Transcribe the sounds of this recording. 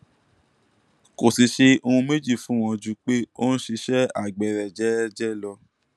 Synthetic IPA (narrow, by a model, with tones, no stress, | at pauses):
ko˨si˨ʃe˧o˧ũ˧me˦d͡ʒi˦˨fũ˦w̃ɔ̃˧d͡ʒu˧k͡pe˦o˦n̩˦ʃi˧ʃɛ˦a˦˨ɡ͡bɛ˨ɾɛ˨d͡ʒɛ˨˦d͡ʒɛ˦lɔ˧